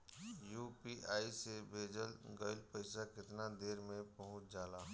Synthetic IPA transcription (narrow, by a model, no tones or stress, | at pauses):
jupiʔaːisebʱeːd͡ʒəlɡəɪlpəɪsakɪt̪nad̪eːɾmẽpəɦʊ̃t͡ʃʰd͡ʒaːlaːɦ